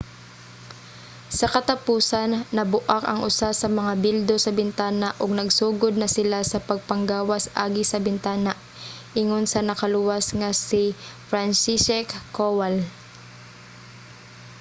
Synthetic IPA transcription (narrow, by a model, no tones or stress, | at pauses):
sɐkɐt̪ɐpuːsɐnːɐbʊʔakɐ̰ŋʔʊsasɐmɐŋabild̪o̞sɐbɪnt̪aːnaʔoɡ̚nɐɡsuːɡod̪̚nɐsɪlasɐpɐɡ̚pɐŋɡaːwɐsʔaːɡɪsɐbɪnt̪aːnaʔ | ʔɪŋonsɐnɐkɐlʊwasŋasɪfɾansisɛkːowal